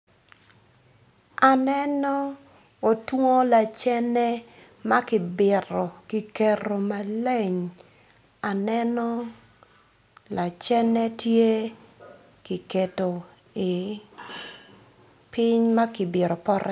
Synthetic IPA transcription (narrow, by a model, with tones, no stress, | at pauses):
a˨nɛ˦nɔ˦ | o˨two˦la˨t͡ʃɛ˦nɛ˦ | ma˦kɪ˨bɪ˨ɾɔ˨ki˨ke˨ɾo˨ma˨le˦˨ɲ | a˨nɛ˦nɔ˦ | la˨t͡ʃɛ˦nɛ˦tje˦ | ki˨ke˨to˨ | i˨ | pɪ˦ɲma˦kɪ˨bɪ˨ɾo˨pɔ˦ɾʔɛ̰˦